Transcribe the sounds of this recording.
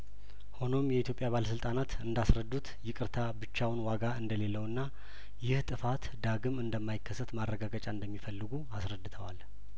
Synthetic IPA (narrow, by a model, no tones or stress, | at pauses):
ho̞no̞mjɛit̪ʰjopʼjaβaləsɨlt̪ʼanat̪ɨnd̪asɾəd̪ut̪ʰjɪkʼɨɾt̪ʰabɨt͡ʃːawnwaɡaɨnd̪əle̞lːəwɨnːa | jɪht̪ʼɨfat̪d̪aɡɨmɨnd̪əmːajɪkːəsːət̪marːəɡaɡət͡ʃʼaɨnd̪əmːifəlːɨɡuasɾəd̪ːɨt̪ʰəwal